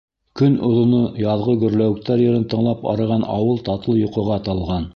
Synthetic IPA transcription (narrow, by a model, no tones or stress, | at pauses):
kɵnŏðŏnɤjɑðˠʁɤɡɵ̆ɾlæwɘ̆k̚t̪æɾjɤ̆ɾɤnt̪ɤ̆ɴlˠɑpɑ̰ɾɤ̆ʁɑnɑ̰wɤlˠt̪ɑt̪ɤlˠjŏqɤ̆ʁɑt̪ɑlˠʁɑn